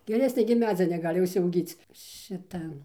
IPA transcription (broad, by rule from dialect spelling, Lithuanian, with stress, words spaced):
ɡʲɛˈrʲæːsʲnʲeː ɡʲɪmˈnɑːzʲɪjɛ nʲɛˈɡɑːlʲɪ ʊʃʲsʲɛʊˈɡʲiːt͡s ˈʃʲɪtɐ